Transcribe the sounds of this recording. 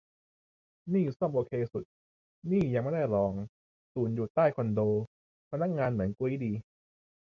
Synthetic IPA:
niː˥˩sɔ˥˩mʔoː˧kʰeː˧su˨˩t̪̚ | niː˥˩ja˧ŋma˥˩da˥˩jɾɔː˧ŋ | suː˩˦njuː˨˩t̪aː˥˩jkʰo˧ndoː˧ | pʰa˧na˦˥k̚ŋaː˧nmɯ˩˦ənku˧˦diː˧

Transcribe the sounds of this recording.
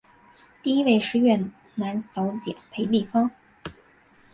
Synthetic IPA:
t̪i˥˩˧i˥we˥˩ɪʂɻ̩˥˧ɥɛ˥˩ | na˧˥nsɑ˧˥ʊt͡ɕjɛ̰˨˩˦npʰe˧˥ɪt̪i˥˩fɑ˥ŋ

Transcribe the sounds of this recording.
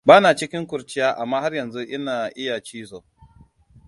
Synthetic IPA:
baː˦naː˨t͡ʃɪ˦kʲɪ˦ŋkʷʊ˨rt͡ʃɪ˦jaː˦ʔa˨mːaː˦ha˦rjɐ˨nzu˦ʔɪ˦naː˨ʔɪ˦ja˨t͡ʃiː˦zoː˨

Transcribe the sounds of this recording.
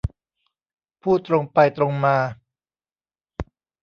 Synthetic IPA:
pʰuː˥˩t̪ɾo˧ŋpa˧jt̪ɾo˧ŋmaː˧

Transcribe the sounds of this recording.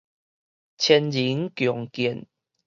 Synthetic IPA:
t͡ɕʰɛ˧nli˨˦ŋkjɔ˨˩ŋki˨˩ə˨n

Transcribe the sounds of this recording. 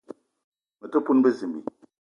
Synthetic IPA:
mə˨tə˦pu˦n˦bə˦zi˨mḭ˨

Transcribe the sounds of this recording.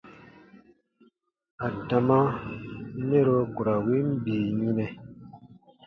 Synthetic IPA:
a˨da˨ma˦ | ne˦ɾo˦ku˨ɾa˨wi˦m̩˦biː˨ɲĩ˦nɛ˨

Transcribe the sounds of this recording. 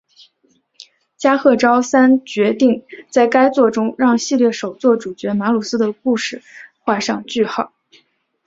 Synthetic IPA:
t͡ɕja˥xɤ˥˩ʈ͡ʂɑ˥ʊsa˥nt͡ɕɥɛ˧˥t̪i˥˩ŋt͡sa˥˩ɪka˥ɪt͡swɔ˥˩ʈ͡ʂʊ˥ŋɻɑ˥˧ŋɕi˥˧ljɛ˥˩ʂo˨˩ʊt͡swɔ˥˩ʈ͡ʂu˨˩t͡ɕɥɛ˧˥ma˧˥lu˨˩s̩˥d̪ə˨ku˥˧ʂɻ̩˥˩xwa˥˧ʂɑ˥˧ŋt͡ɕy˥˩xɑ˥˨˩

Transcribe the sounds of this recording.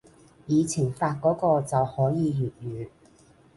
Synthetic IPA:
jiː˨˧t͡sʰi˨˩ŋfaː˧t̚kɔː˨˥kɔː˧t͡sɐ˨whɔː˨˥jiː˨˧jyː˨t̚jyː˨˧

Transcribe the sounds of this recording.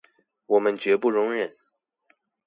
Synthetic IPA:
wɔ˨˩mə˦nt͡ɕɥɛ˧˥pu˥˩ɻʊ˧˥ŋɻə˨˩˦n

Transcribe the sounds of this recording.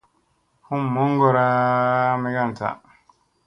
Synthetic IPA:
hu˦mːɔ˦ŋɡɔ˨ɾa˦mɛ˦ɡa˦˨n˨ta̰˨

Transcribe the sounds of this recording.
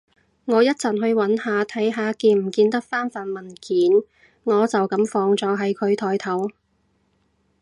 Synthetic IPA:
ŋɔː˨˧jɐ˥t̚t͡sɐ˨˩nɦɵ˧ɥwɐ˨˥nhaː˨˧t̪ʰɐ˨˥jɦaː˨˧kiː˧nm̩˨˩kiː˧nt̪ɐ˥k̚faː˥nfaː˨˩nmɐ˨˩nkiː˨˥n | ŋɔː˨˧t͡sɐ˨wkɐ˨˥mfɔː˧ŋt͡sɔː˨˥ɦɐ˨jkʰɵ˨˧ɥt̪ʰɔː˨˩jt̪ʰɐ˨˥w

